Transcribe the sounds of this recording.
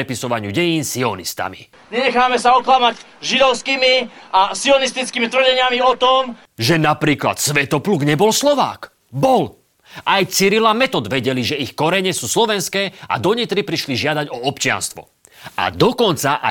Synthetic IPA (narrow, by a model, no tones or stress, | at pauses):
ɛpisɔʋaɲɪuɟɛjiːnsiɔnist̪a̰mḭ | ɲɛɲɛxaːmɛsaɔklamaɟ | ʒid̪ɔʊskimiasiɔnist̪it͡skimit̪r̩ɟɛɲɪamiɔt̪ɔm | ʒɛnapɾiːkla̰t̪sʋɛt̪ɔpluːɡɲɛbɔlslɔʋa̰ːk | bɔl | ʔajt͡siɾilamɛt̪ɔd̪ʋɛɟɛliʒɛixkɔɾɛɲɛsuːslɔʋɛnskɛːʔa̰d̪ɔɲit̪ɾipɾiʃliʒɪad̪aɟɔɔpt͡ʃɪa̰nst̪ʋɔ̰ | a̰d̪ɔkɔnt͡saʔa̰